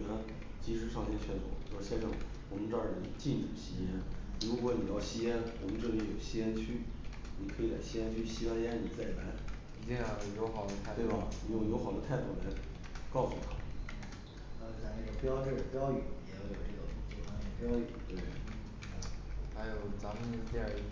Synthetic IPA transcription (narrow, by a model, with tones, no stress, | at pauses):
ə˧˥n | t͡ɕi˧˥ʂɻ̩˧˥ʂʰɑ˥˧ŋt̪ʰjɛ˥t͡ɕʰɥɛ˥˩nt͡swɔ̰˨˩˦ʂɻɕjɛ˥nʂɤ̰˥˩ŋ | wɔ˨˩mə˦˥ʈ͡ʂɑ˥˧˩i˨˩t͡ɕi˥˩nʈ͡ʂ̩˨˩ɕi˥jɛ˥nɻu˧˥kwɔ˧˥ni˨˩jɑ˥˩ʊɕi˥jɛ˥nwɔ˨˩mə˦nʈ͡ʂɤ˥˩jɛ˥jo˨˩ʊɕi˥jɛ˥nt͡ɕʰy˥ | ni˨˩kʰɤ˧˥i˨˧˩la̰˧˩ɪɕi˥jɛ˥nt͡ɕʰy˥ɕi˥wa˥njɛ˥nni˨˩t͡sa˥˩ɪ˩la˧˥ɪ˧˥˧ | jo˧˥ʊxɑ˨˩ʊd̪ə˧˥˧we˥˩ɪbɐ˩ni˧˥jo˧˩jo˧˥ʊxɑ˨˩d̪ə˦t̪ʰa˥˧ɪd̪u˥˩la˧˥ɪ | kɑ˥˩ʊsu˨t̪ʰa˧˥ | ɑ˥˩˧a˧˥˧na˥˩ɡə˩pjɑ˥ʊʈ͡ʂə˥˩˨pjɑ˥ʊy˨˩jɛ˧˥˩jo˨˩ʈ͡ʂɤ˥˩ɡə˩˧˩t͡ɕo˥˧˩fa˧˥nə˧˩pjɑ˥ʊy̰˨˩t̪we˥˩ɪ˥ | xa˧˥ɪjo˨˩ʊt͡sa˧˥mə˧no˥˧t͡ɕi˥˧˥